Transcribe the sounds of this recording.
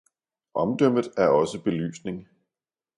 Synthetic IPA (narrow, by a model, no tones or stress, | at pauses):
ʔɒ̽md̥øm̰ðˠæɐɒ̽səb̥e̝ly̰ːsne̝ŋ